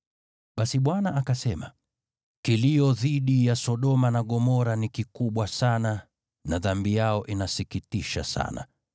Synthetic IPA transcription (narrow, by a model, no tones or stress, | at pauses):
ɓasiɓwanaʔakasɛma̰ | kilijɔðiɗijasɔɗɔmanaɠɔmɔɾanikikuɓwasana | naðambijaɔʔinasikitiʃa̰sa̰na̰